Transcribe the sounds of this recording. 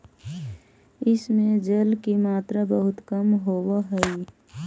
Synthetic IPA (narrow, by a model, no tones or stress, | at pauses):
ɪsmẽd͡ʒəlkimaːt̪ɾabəɦʊt̪kəmɦoːwaɦɛi